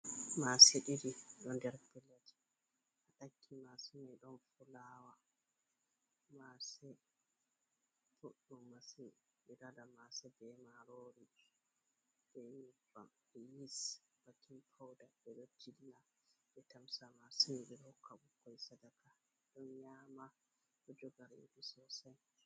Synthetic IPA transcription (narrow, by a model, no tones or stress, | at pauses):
maseɗidiɗɔndɛɾpɛlːatʰi̥ | ʔaɗakʰːimasimɛɗɔnfulawa | masɛ | fuɗːɔmasi | ɓiɾadamasɛbɛmaɾoːɾi | ɓɛmifa̰m | ɛjisb̥akʰinpʰawdabɛɗɔd͡ʒilːa | ɓɛtamsamasɛɗiɾɔkːabukːɔjsadaka | ɗɔnjaːma | ɗɔd͡ʒɔɡaɾḛɗisɔsaj